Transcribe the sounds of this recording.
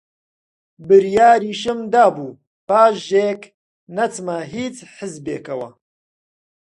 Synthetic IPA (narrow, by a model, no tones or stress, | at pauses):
bɨɾjaːɾiːʃɨmd̪aːbuː | paːʃʒeːk | nɐt͡smɐɦiːt͡sħɨzbeːkɐwɐ̰